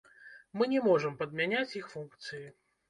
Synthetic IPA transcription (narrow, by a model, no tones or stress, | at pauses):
mɨnʲɛmɔʐɐmpɐd̪mʲanʲat͡sʲixfunkt̪sɨji